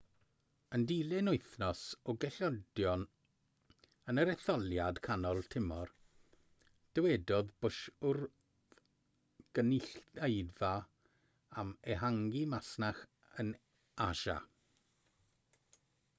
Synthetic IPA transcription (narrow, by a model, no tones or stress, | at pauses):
əndilɪnʊɨθnɔsɔɡɛɬɔdjɔn | ənəɾɛθɔlˠjad̥kʰanɔlˠtʰɪmɔr | d̥əwɛdɔðbʊʃʊr | ɡ̥ənɪɬejða | amɛɦaŋɡimasnaχ | ən | aʃa̰